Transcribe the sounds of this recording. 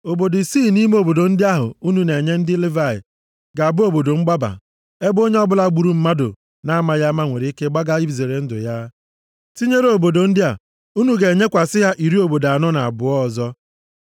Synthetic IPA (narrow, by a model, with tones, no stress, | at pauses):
o˨bo˨di˨siː˦˨ni˦m˦o˨bo˨do˨n̩˦dɪ˦a˦ɦʊ̰˨u˦nu˨ne˨ɲe˦n̩˦dɪ˦li˦va˦˨ɪ̰˨ | ɡa˨a˨bʊ˦o˦bo˨do˨ŋ͡m̩˦ɡ͡ba˦ba̰˨ | e˦bo˦ɲe˦ɔ˦bʊ˦la˦˨ɡ͡bu˨ɾu˨˦m̩˦ma˦dʊ̰˨ | na˦ma˨ja˦ma˦ŋʷe˨ɾi˨˦i˦ke˦ɡ͡ba˦ɡa˦i˦bze˨ɾe˨n̩˦dʊ̰˨ja˦ | ti˦ɲe˦ɾe˦o˨bo˨do˨n̩˦dɪ˦a˨ | u˦nu˨ɡe˨e˨ɲe˦kʷa˨sɪ˦ɦa˦ʔi˨ɾi˦o˨bo˨da˨nɔ˦na˨a̰˨bʊ˨ɔ˦˨zɔ˦